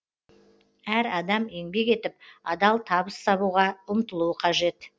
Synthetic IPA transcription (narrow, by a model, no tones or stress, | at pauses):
æɾɑd̪ɑmeŋbe̞ke̞t̪ɪp̚ɑd̪ɑlˠt̪ʰɑβəst̪ɑβuʁɑʊmt̪əlˠuəqʰɑʒe̞t̪